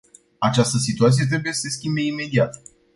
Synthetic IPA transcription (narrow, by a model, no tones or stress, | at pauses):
at͡ʃast̪əs̬it̪uat̪s̬ije̞t̪̬ɾebuje̞səse̞skʲimbe̞ime̞d̪iat̪